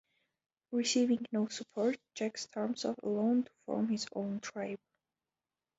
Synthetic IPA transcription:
ɹisivɪ̃ŋnoʊsəpʰɔɹt̚d͡ʒækstʰɑɹmsɔ̰və̰lõʊ̃ntʰu̥fɔ̰ɹmhɪzõ̰ʊ̃ntʰɹ̥aɪb

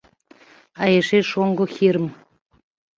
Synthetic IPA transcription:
ɑjeʃeʃoŋɡŏxʲiɾə̆m

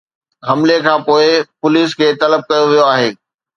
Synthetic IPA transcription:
ɦɐmlekʰãːpoːɪpʊliːskʰeːt̪ɐləb̚kɐjoʋijoaːɦeː

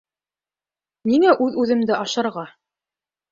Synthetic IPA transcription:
niŋæʔʉðʉðɘ̆md̪ɘʔɑʃɤ̆ɾʁɑ

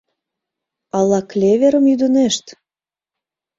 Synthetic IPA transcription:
ɑlˠɑklʲevʲeɾəmjyd̪əneʃt̪

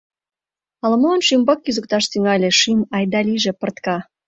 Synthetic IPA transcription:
ɑlmonʃymbɑkːyzə̆k̚t̪ɑʃt̪yŋɑlʲeʃimɑjd̪ɑlʲiʒĕpə̆rt̪kɑ

